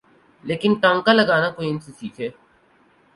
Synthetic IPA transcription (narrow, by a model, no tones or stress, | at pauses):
leːkɪnʈãːŋkaləɡaːnakoːiɪnsisḭːkʰeː